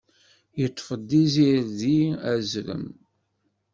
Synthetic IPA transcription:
jət̪ˤːfəd̪ːiziɾðiæzɾə̰m

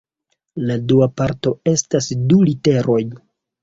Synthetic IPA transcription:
laduapaɾto̞e̞stasdulite̞ɾʔo̞j

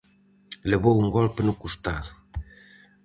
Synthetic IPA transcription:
leβowuŋɡɔlpenukust̪aðʊ

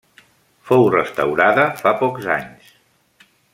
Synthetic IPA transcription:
fowrəst̪əwɾaðəfapɔkza̰ɲs

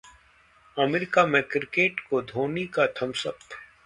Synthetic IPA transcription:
ɐmeɾɪkamẽkɪɾkeːʈkod̪ʱoːnikat̪ʰɐmsəp

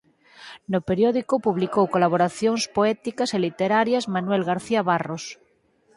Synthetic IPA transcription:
nopeɾjoðikopuβlikowkolaβ̞oɾaθjoŋspoɛt̪ikaselit̪eɾaɾjazmanwelɣaɾθiaβaros

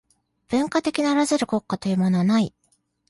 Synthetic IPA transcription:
b̥ɯ̟̃ŋkat̪e̞kʲinaːɾazɨɾɯ̟ko̞kːat̪o̞jɯ̟ːmo̞no̞βanai

